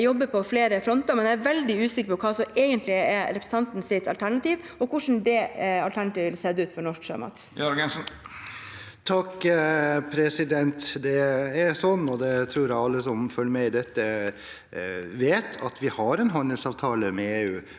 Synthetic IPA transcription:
jɔbːəɾpʰɔfleːɾəfɾɔnt̪əɾmɛnjææʋɛld̪ɪʉːsɪkəɾpɔkʰɑːsɔeːɡənt̪lɪɛɾɛpɾsn̩t̪ɑnt̪n̩sɪt̪ɑlt̪ʰæɳɑt̪iːʋ | ɔkʰʊʂn̩d̪ɛɑlt̪æɳɑt̪iːʋɪlseːd̪ɛʉːt̪fɔɾɳɔʂkʂø̰mɑ̰t̪jɑɾɡɛnsn̩ | t̪ʰɑkː | pʰɾɛsɪd̪ɛnt̪d̪ɛɛɾsɔnːɔd̪ɛt̪ʰɾuːɾæɪɑlːəsɔmfœləmɛɪɪd̪ɛt̪ːə | ʋeːt̪ʰɑ̰t̪ʋɪhɑɾɛnɦɑnd̪əlsɑːʋt̪ʰɑːləmɛeːʉː

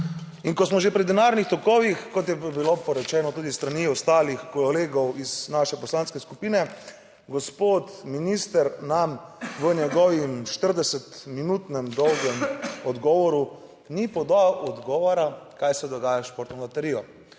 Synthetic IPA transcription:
inkɔsmɔʒepɾid̪ɛnaːɾnixt̪ɔkɔʋixkɔt̪̬jɛbilopɔɾɛt͡ʃɛːnɔt̪uːd̪ist̪ɾaniɔst̪aːlixkoleːɡɔwiznaʃɛpɔslanskɛskupiːnɛ | ɡɔspoːt̪minist̪əɾnamʋənjɛɡɔʋimʃt̪əɾd̪ɛsɛt̪minut̪nɛmd̪ɔwɡɛmɔd̪ɡɔːʋɔɾu | nipɔd̪awʔɔd̪ɡɔːʋɔɾakajsɛd̪ɔɡaːjaʃpoːɾt̪nɔbat̪ɛɾiːjɔ

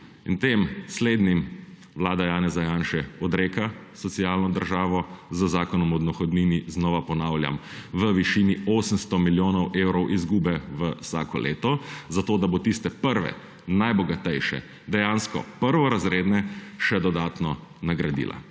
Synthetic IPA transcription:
int̪eːmsleːd̪nim | ʋlaːd̪ajaːnɛzajaːnʃɛɔd̪ɾeːkasɔt̪siaːlnɔd̪ə̰ɾʒaːʋɔzəzaːkɔnɔmɔd̪nɔxɔd̪niːniznɔʋapɔnaːwlja̰m | ʋəʋiʃinioːsənst̪ɔmiljoːnɔwʔewɾɔwʔizɡuːbɛʋəwsa̰ːkɔ̰lʔḛːt̪ɔzat̪oːd̪abot̪ist̪ɛpəɾʋɛ̰ | najbɔɡat̪ɛjʃɛ̰ | d̪ɛjaːnskɔ̰pəɾʋɔɾazɾeːd̪nɛʃɛd̪ɔd̪aːt̪nɔ | naɡɾad̪ḭːla̰

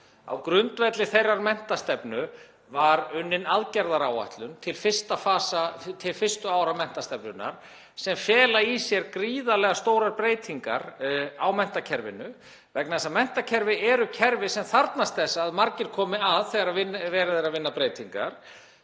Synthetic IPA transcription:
a̰wkɾʏnt̪vɛt̪lɪθejrːaɾmɛn̥t̪ast̪ɛpnʏ | vaɾʏnːɪnaðcɛɾðaɾaːwa̰ht̪lʏnt̪ʰɪlfɪ̥st̪afaːsat̪ʰɪlfɪst̪ʏaːwɾamɛn̥t̪ast̪ɛpnʏnːa̰ɾ̥ | sɛmfjɛːlaisjɛɾkɾiːðalɛːɣast̪owɾaɾpɾeːjt̪ʰiŋka̰ɾawmɛn̥t̪acʰɛɾvɪ̰nʏ | vɛknaðɛsamɛn̥t̪acʰɛɾvɪʔɛɾʏcʰɛɾvɪsɛmθaɾt̪nast̪θɛsːaːðmaɾcɪɾ̥kʰɔːmɪaðθɛɣaɾaðvɪnːvɛːɾaðeɾaðvɪnːapɾeːjt̪ʰiŋka̰ɾ̥

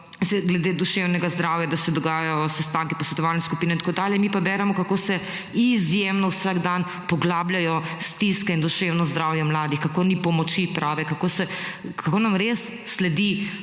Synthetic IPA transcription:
sɛɡlɛd̪eːd̪uʃewnɛɡazd̪ɾaːwjad̪asɛd̪ɔɡaːjajɔsɛst̪ãːŋki̥pɔsʋɛt̪ɔʋaːlnɛskupiːnɛnt̪ḁkoːd̪aːljɛmipabɛɾɛmɔkakoːsɛ | izjemnɔwsaɡd̪an | pɔɡlaːbljajɔst̪iskɛind̪uʃewnɔzd̪ɾawjɛmlaːd̪ixkakoːnipɔmɔt͡ʃipɾʔaːʋɛkakoːsɛkakoːnamɾesːlɛd̪i

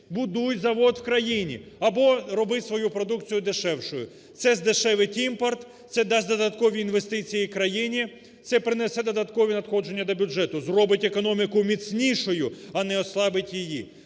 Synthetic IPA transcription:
bʊd̪ujʲzɐʋɔd̪wkɾɐjinʲḭɐbɔɾɔbɪsʋɔjupɾɔd̪ukt͡sʲijʊd̪ɪʃɛwʃʊjʊ̰ | t̪sɛzd̪ɪʃɛʋɪtʲimpɔrt̪sɛd̪ɑsʲd̪ɔd̪ɐt̪kɔʋʲiːnʋe̞st̪ɪt͡sʲijikɾɐjinʲi | t̪sɛpɾɪnɛsɛd̪ɔd̪ɐt̪kɔʋʲinɐt̪xɔd͡ʒe̞nʲːɐd̪ɔbʲʊʒɛt̪ʊzrɔbɪtʲekɔnɔmʲɪkʊmʲit͡sʲnʲiʃʊjʊɐnɛɔslˠɑbɪtʲjiji

